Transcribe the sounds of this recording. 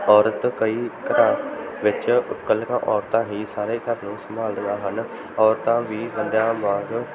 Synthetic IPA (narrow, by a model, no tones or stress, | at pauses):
ɔːɾət̪kəiːkəɾãːʋɪt͡ʃkəlkãːʔɔːɾt̪ãːɦiːsaːɾeːkəɾnũːsəmaːld̪əaːɦən | ɔːɾt̪ãːʋiːbənd̪jãːmãːɡ